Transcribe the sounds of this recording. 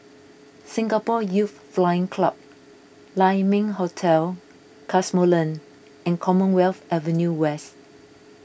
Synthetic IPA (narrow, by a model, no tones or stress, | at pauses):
sɪ̃ŋɡapɔjut | flajɪ̃ŋkʰlap̚ | lãɪmɪ̃ŋɦotʰɛl | kʰasmolə̃n | ʔɛ̃nkʰɔmə̃nwɛlfɛvə̃njuwɛs